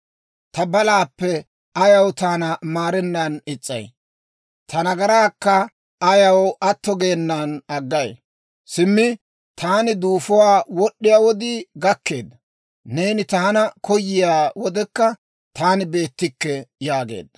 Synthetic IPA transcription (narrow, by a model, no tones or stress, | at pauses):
t̪ɐbɐlaːpːɛ | ɐjɐwt̪aːnɐmaːɾɛnːɐnɪt͡sʼːɐ̰j | t̪ʰɐnɐɡɐɾaːkːɐː | jɐwɐt̪ːɔɡeːnːaːnɐɡːɐj | sɪmːɪ | t̪ʰaːnɪd̪uːfɔwaːwɔɗːɪjaːwɔd̪iːɡɐkːe̞ːd̪ɐ | ne̞ːnɪt̪ɐhɐnɐkʰɔjːɪjaːwɔd̪ɛkːɐ | t̪ʰaːnɪbe̞ːt̪ːɪkːɛjaːɡḛːd̪ːɐ